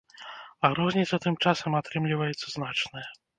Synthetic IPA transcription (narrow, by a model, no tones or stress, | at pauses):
ɐɣɾɔzʲnʲit̪sɐt̪ɨmt͡ʂasɐmat̪ɾɨmlʲivɐjɛt̪sɐznat͡ʂnɨjɛ